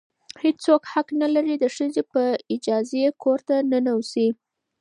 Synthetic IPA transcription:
hed͡ʒt͡sokhaqnalaɾid̪əʂəzepəɪd͡ʒɑzekoɾt̪anənawsi

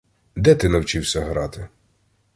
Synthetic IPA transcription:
d̪ɛt̪ɪnɐwt͡ʃiwsʲɐɦɾɑt̪ɪ

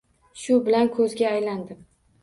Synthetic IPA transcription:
ʃʊbɪlankʰɵzɡʲaːjland̪ɪm

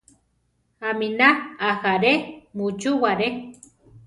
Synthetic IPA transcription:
aminaaxaɾemut͡ʃuwaɾe

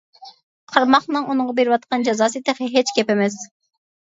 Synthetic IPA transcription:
qʰɑɾmɑχnɨŋunɨŋʁɑbeɾɪwɑt̪̚qɑnd͡ʒɑzɑːsɨt̪eχɪɦet͡ʃkʲʰɛpemɛs

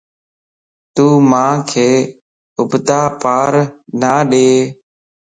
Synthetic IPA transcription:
t̪uːmãːkʰeː | ʊbd̪aːpaːɾnaːɗeː

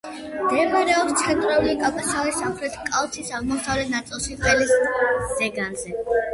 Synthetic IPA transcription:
md̪̥ɛmaɾɛɔst̪sʰɛnt̪ʼɾɛuliːkʼawkʰasalisamχɾɛt̪ʰkʼalˠt̪sʰisaʁmɔsʰavɾɛnat̪sʼilˠʃiqʼɛlisz̥ɛɡanzɛ

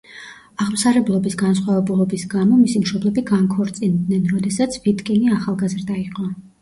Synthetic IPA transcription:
aʁmsaɾɛblˠɔbisɡansχwavɛbulˠɔbisɡamɔmisimʃɔblɛbiɡankʰɔɾt̪sʼind̪nɛnɾɔd̪ɛsat̪sʰvit̪kʼɛniaχalˠɡazɾd̪aiqʼɔ

